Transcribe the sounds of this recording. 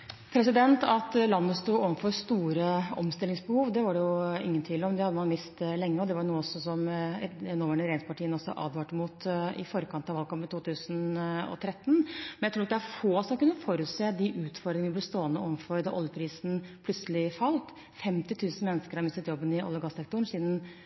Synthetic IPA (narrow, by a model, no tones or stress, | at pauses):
pʰɾɛsɪd̪ɛnt̪ɑt̪lɑnːəst̪uːoːʋənfɔɾst̪uːɾəɔ̰mst̪ɪlɪŋsbəhuːʋd̪ɛʋɑɖɛjʊɪ̰ŋːənt̪ʰiːlɔmd̪ɛhɑd̪ːəmɑnmɪst̪lɛŋːəɔd̪ɛʋɑjnuːəɔsɔsɔmɛnɔːʋæɳəɾeːɪŋspɑʈʰiːənɔsːɔ̰ʔɑ̰ːd̪ʋɑːʈəmuːt̪ɪ̰fɔɾəkʰɑnt̪ɑʋɑlkʰɑmpət̪ʰuːt̪ʰʉːsənɔ̰t̪ʰɾɛt̪ːn̩mɛnjæɪɾuːɾɑt̪d̪ɛæɾfoːsɔmɑkʉnːəfoːɾʉt̪seːd̪ɪʔʉːt̪fɔɾd̪ɾɪŋəʋəɪblst̪oːənəoːʋənfɔɾd̪ɛʔɔljəpʰɾiːsnpʰlʉt̪səlɪfɑlt̪ | fɛmt̪ɪt̪ʰʉːsn̩mɛnːəskəɾhɑɾmɪst̪ət̪jɔbːənɪʔɔ̰lːəɾɡɑsɛkt̪ʊɳ̩siːd̪n̩